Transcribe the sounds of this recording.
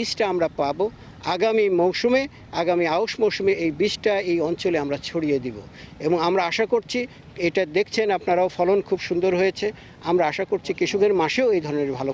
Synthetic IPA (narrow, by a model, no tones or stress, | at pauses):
isʈaamɾapabo | aɡamimowʃume | aɡamiaoʃmowʃumeejbisʈaejɔnt͡ɕoleamɾat͡ɕʰoɽijed̪ibo̰ | eboŋamɾaaʃakoɾt͡ɕʰi | eʈad̪ek̚ʰt͡ɕʰenapnaɾaofɔlonkʰubʃund̪oɾɦojet͡ɕʰe | amɾaaʃakoɾt͡ɕʰikiʃuɡeɾmaʃeoejd̪ʱɔɾoneɾbʱalo